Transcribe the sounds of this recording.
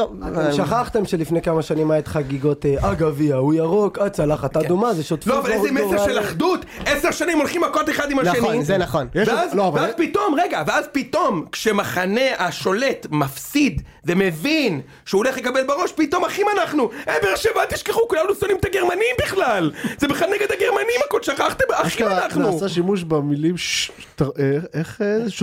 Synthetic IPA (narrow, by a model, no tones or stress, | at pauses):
oʃaχaχt̪e̞mʃelifnejkamaʃanimaet̪χaɡiɡo̞t̪eʔaɡaviaujaʁokad̚t͡salaχat̪adumazeʃot̪floavalezemeseʁʃelaχd̪ut̪eseʁʃanimo̞lχimakot̪eχad̪imaʃenizenaχonjeʃveazlovapit̪o̞mʁeɡaveazpit̪o̞mkʃemaχane̞ʔaʃo̞le̞t̪mafsid̪ | veme̞vin | ʃeuoleχlekabelbaʁo̞ʃpit̪o̞maχimanaχnuʔebeʁaʃemat̪iʃkeχukulamnusonimt̪aɡeʁmanimbiχlalzebiχlalneɡed̪aɡeʁmaniimakod̪ʃaχaχt̪emaχimanaχnusaʃimuʃbemilimʃ | t̪aeeχʃ